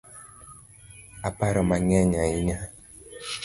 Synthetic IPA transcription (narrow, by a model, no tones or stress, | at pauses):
apaɾɔmaŋɛɲaiɲa